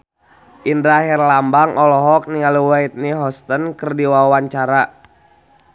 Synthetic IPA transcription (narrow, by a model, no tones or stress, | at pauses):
ʔindɾaɦɛrlambaŋʔɔlɔɦɔk̚niŋaluwait̪̚niɦɔst̪ənkərdiwawaɲt͡ʃaɾa